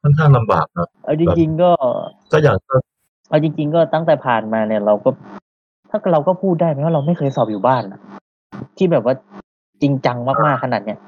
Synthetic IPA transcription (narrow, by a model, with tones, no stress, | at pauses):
kʰɔ˥˩ŋkʰaː˥˩ŋla˧mba̰ː˨˩k̚na˦˥ʔa˧˩wt͡ɕi˧ŋ˧t͡ɕi˧ŋkɔː˥˩ | kɔː˥˩jaː˨˩k̚aː˥˩ | ʔa˧˩wt͡ɕi˧ŋt͡ɕi˧ŋkɔː˥˩t̪a˥˩ŋt̪ɛː˨˩pʰaː˨˩nmaː˧ni˥˩ɐɾa˧wkɔː˥˩ | t̪ʰaː˥˩kɾa˧wkɔː˥˩pʰuː˥˩t̪̚daː˥˩jma˧˥jwa˥˩a˧wma˥˩jxʰɤː˧jsɔː˨˩p̚juː˨˩baː˥˩nʔa˧˩ʔ | t̪ʰiː˥˩bɛː˨˩p̚waː˥˩ | t͡ɕi˧ŋt͡ɕa˧ŋmaː˥˩k̚maː˥˩kʰːa˧naː˨˩t̪̚ni˥ɐ